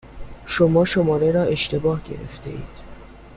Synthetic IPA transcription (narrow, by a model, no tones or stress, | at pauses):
ʃomɒːʃo̞mɒːɾeɾɒːe̞ʃt̪e̞bɒːhɟe̞̰ɾḛft̪ʰe̞̰ʔḭːd̪̥